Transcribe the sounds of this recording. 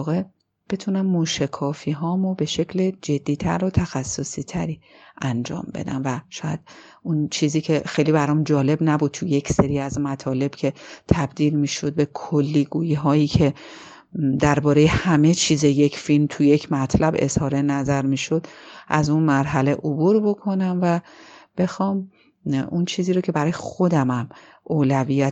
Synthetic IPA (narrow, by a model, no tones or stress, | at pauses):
ɣe̞ | b̥e̞t̪ʰunæmːuʃekʰɒːfiːɦɒːmobe̞ʃe̞cʰled͡ʒe̞d̪̥ːiːt̪ʰæ̰ɾot̪ʰæxæsːosiːt̪ʰæɾiː | ʔænd͡ʒɒ̰ːmbe̞̰d̪æ̰mvæʃɒːjæd̪̥ | unt͡ʃʰiːziːcʰe̞xe̞jliːbæɾɒːmd͡ʒɒːle̞bnæbud̪̚t̪ʰuje̞cʰseɾiːæzmæt̪ʰɒːle̞b̥cʰe̞t̪ʰæbd̪iːlmiːʃo̞d̪̚be̞kʰolːiːɡuːjiɦɒːjiːcʰe̞ | d̪æɾbɒːɾeje̞hæme̞t͡ʃʰiːzeje̞cʰfilmt̪ʰuje̞cʰmæt̪ʰlæbe̞̰z̥hɒːɾenæzæɾmiːʃo̞d̪̥ʔæzunmæɾɦæleʔobuɾbo̞kʰo̞næmvæb̥e̞xɒːm | unt͡ʃʰiːziːɾocʰe̞bæɾɒːjexo̞d̪æmæm | ʔoːlæviːjæt̪